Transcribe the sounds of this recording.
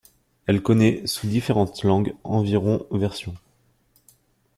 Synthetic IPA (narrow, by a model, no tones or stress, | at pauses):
ɛlkɔnɛsud̪ifeʁɑ̃t̪lɑ̃ɡɑ̃viʁɔ̃vɛʁsjɔ̃